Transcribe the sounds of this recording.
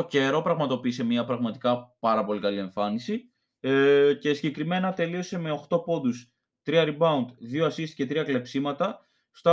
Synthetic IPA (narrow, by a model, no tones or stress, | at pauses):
oce̞ɾo̞pɾɐɣmɐt̪o̞piːse̞mɲɐpɾɐɣmɐt̪ikɐpɐɾɐpo̞likɐlie̞ɱfɐnisi | ce̞siɟe̞kɾime̞nɐt̪e̞lio̞se̞me̞oxt̪o̞po̞nd̪us | t̪ɾiɐɾibɐunt̪ðio̞ɐsist̪i̥ce̞t̪ɾiɐkle̞psimɐt̪ɐ | st̪